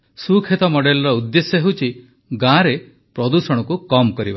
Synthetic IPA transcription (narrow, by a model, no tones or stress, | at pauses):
sukʰet̪ɔmɔɖelɔɾɔud̪ːesjɔɦewt͡ʃʰi | ɡãɾe | pɾɔd̪usɔɽ̃ɔkukɔmkɔɾiba